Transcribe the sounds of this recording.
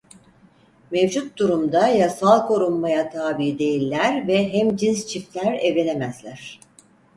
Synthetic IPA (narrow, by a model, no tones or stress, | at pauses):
mevd͡ʒut̪̚d̪uɾumd̪ajasalˠkʰo̞ɾumːajat̪ʰaːbiːd̪e̞jilʲːæɾvɛɦæmd͡ʒinst͡ʃʰift̪lʲæɾɛvlʲe̞nemæzlʲæɾ̝̥